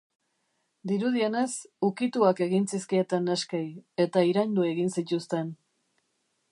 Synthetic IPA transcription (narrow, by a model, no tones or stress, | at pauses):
d̪iɾuð̞ie̞ne̞sukit̪uake̞ɣint͡siskie̞t̪enːeskeje̞t̪aiɾajnd̪ue̞ɣinsit̪ust̪e̞n